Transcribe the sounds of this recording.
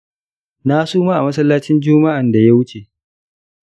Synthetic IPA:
na˦suː˦ma˦ʔa˨mɐ˦s̬ɐ˦lːaː˦t͡ʃɪ˦nd͡ʒʊ˦ma˦ʔa˨nda˨ja˦wʊ˦t͡ʃe˨

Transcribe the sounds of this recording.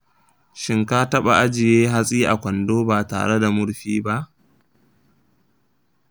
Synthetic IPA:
ʃɪ˦ŋkaː˦tɐ˦ɓa˨ʔa˦d͡ʒɪ˨jeː˦ɦa˦sʼiː˦ʔa˨kʷɐ˨ndoː˦baː˨ta̰ː˨ɽe˦da˨mʊ˦ɽɸiː˦ba˦ʔ

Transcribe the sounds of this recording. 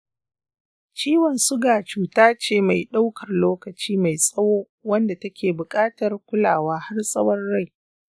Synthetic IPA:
t͡ʃiː˦wɐ˨nsʊ˦ɡaː˨t͡ʃuː˦taː˦t͡ʃeː˦˨ma˨jɗa˦wkʰɐ˨rloː˦kɐ˨t͡ʃiː˦ma˨jsʼɐ˦woː˦ | wɐ˦nda˨tɐ˦kʲʰeː˨bʊ˨kʼaː˦tɐ˨rkʷʊ˦laː˨waː˦ha˦rsʼɐ˦wɐ˦rːa˦˨j

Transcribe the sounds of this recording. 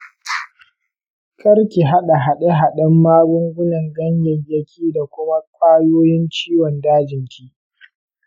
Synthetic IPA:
kʰʼɐ˦ɾkʲi˨ɦa˦ɗa˨ɦa˨ɗe˦ɦa˨ɗɐ˦mːaː˦bʊ˦ŋɡʷʊ˦nɐ˨ŋɡɐ˦ɲjɪ˨ŋjɐ˦kʲʰiː˦da˨kʷʊ˦ma˦kʷʼaː˦joː˦jɪ˦nt͡ʃiː˦wɔ˨ndaː˦d͡ʒɪ˨ŋkʲʰiː˦

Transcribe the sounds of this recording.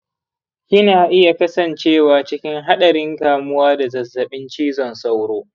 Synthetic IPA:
ʔɪ˦naː˨ʔɪ˦ja˨kɐ˦sɐ˨nt͡ʃeː˦˨waː˨t͡ʃɪ˦kʲɪ˦ŋɦa˦ɗɐ˨ɾɪ˦ŋkaː˨mʊ˦waː˦da˨zɐ˨zːɐ˨ɓɪ˦nt͡ʃiː˦zɔ˨nsa˦wɽoː˦

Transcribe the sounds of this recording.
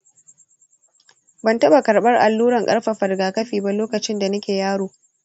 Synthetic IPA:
bɐ˦˨ntɐ˦ba˨kɐ˨ɾɓɐ˦rʔa˨lːuː˦ɽɐ˨ŋkʼɐ̰˦ɽɸa˨ɸɐ˨ɾɡaː˨kɐ˦ɸiː˨ba˦loː˦kɐ˨t͡ʃɪ˦nda˨nɐ˦kʲeː˨jaː˦ɽoː˨

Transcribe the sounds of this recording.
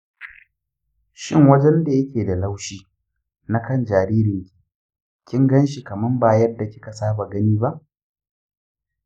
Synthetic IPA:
ʃɪ˦ŋwɐ˦d͡ʒɛ˦nda˨jɐ˦kʲeː˨da˨la˦wʃiː˦ | na˦kɐ˦nd͡ʒaː˨ɾiː˦ɾɪ˨ŋkʲi̥˨ | kʲɪ˦ŋɡɐ˦nʃi˨kɐ˨mɐ˦mba˨jɐ˦dːa˨kʲɪ̥˦ka˨saː˦ba˨ɡɐ˦niː˦ba˦ʔ

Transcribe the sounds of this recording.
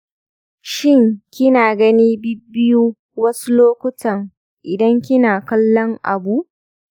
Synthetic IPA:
ʃɪ˦ŋkʲɪ˦naː˨ɡɐ˦niː˦bɪ˦bːɪ˦juː˦ | wɐ˦su˦loː˦kʷʊ˦tɐ˨ŋ | ʔɪ˨dɐ˦ŋkʲɪ˦naː˨kɐ˦lːɔ˦ŋʔa̰˨bu˦ʔ

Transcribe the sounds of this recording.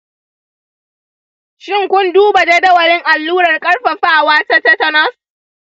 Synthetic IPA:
ʃɪ˦˨ŋkʷʊ˦nduː˦ba˨da˦dɐ˦wɐ˨ɽɪ˦ŋʔa˨lːuː˦ɽɐ˨rkʼɐ˦ɽɸa˨ɸaː˦˨waː˦ta˦tɐ˦tɐ˦nɐ˦s

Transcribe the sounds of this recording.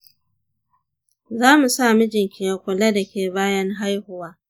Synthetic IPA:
zaː˦mu˨saː˦˨mu˦d͡ʒɪ˨ŋkʲɪ˨jɐ˨kʷʊ˨lɐ˦dɐ˨kʲeː˨baː˦jɐ˦ŋɦa˦jhʊ˨waː˦

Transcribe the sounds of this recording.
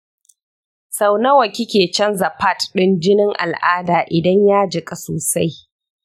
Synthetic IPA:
sa˨wnɐ˦wɐ˨kʲɪ˦kʲeː˨t͡ʃɐ˦nzɐ˨pa˦tɗɪ˦nd͡ʒɪ˦nɪ˦ŋʔa̰˨lʔaː˦daː˨ʔɪ˨dɐ˦ɲjaː˦d͡ʒɪ˨kʼa˦soː˨sa˦j

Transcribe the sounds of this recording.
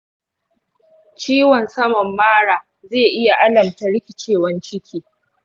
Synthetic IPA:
t͡ʃiː˦wɐ˨nsɐ˦mɐ˨mːaː˦ɽaː˨ | zeː˦˨ʔɪ˦ja˨ʔa˦lɐ˨mta˨ɽɪ˦kʲɪ˨t͡ʃeː˦˨wɐ˦nt͡ʃɪ˦kʲʰiː˨

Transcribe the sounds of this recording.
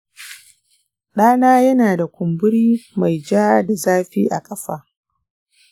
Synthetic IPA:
ɗaː˦naː˦jɐ˦naː˨da˨kʷʊ˨mbʊ˦ɽiː˦ma˨jd͡ʒaː˦da˨zaː˦ɸḭː˦ʔa̰˨kʼɐ˦ɸa̰ː˦

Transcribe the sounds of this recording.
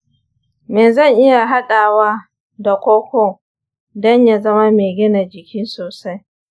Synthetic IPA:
meː˨zɐ˦˨ŋʔɪ˦ja˨ɦa˦ɗaː˨wa˦ | da˨kʷoː˦kʷoː˦ | dɔ˦ɲja˨zɐ˦ma˦meː˨ɡʲɪ˦na˨d͡ʒɪ˨kʲiː˦soː˨sa˦j

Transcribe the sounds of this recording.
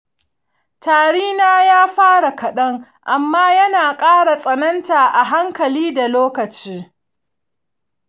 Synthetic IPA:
taː˨ɽiː˦naː˦jaː˦ɸaː˦ɽa˨kɐ˨ɗɐ˦ŋ | ʔa˨mːaː˦jɐ˦naː˨kʼaː˦ɽa˨sʼɐ˨nɐ˦ntaː˨ʔa˨ɦa˦ŋkɐ˨liː˦da˨loː˦kɐ˨t͡ʃiː˦

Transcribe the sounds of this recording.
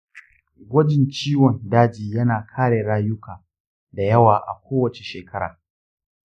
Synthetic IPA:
ɡʷɐ˦d͡ʒɪ˨nt͡ʃiː˦wɔ˨ndaː˦d͡ʒiː˨jɐ˦naː˨kʰaː˦ɽeː˨ɽaː˦jʊ˦kʰaː˨ | da˨jɐ˦waː˨ʔa̰˨kʷoː˦wɐ˨t͡ʃe˨ʃeː˨kʰɐ˦ɽa̰ː˨

